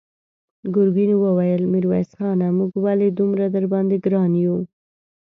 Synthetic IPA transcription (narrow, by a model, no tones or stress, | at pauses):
ɡʊɾbinewəwajəlmiɾwa̰jsxɑnamuɡwaled̪umɾad̪əɾbɑnd̪eɡɾɑnju